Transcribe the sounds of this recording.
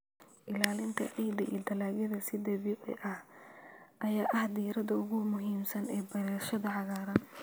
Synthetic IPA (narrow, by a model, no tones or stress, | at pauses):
ʔɪlaːlɪnt̪ʰɐ̰ʕiːd̪ɐʔḭːd̪ɐlaːɣɐðɐsɪd̪ɐβiːʕɪ̰ʔɐh | ʔɐjaːʔɐhd̪iːɾɐðɐʊɣʊmʊɦiːmsɐnɛːbɐɾɛːʃɐðɐʕɑɣaːɾɐn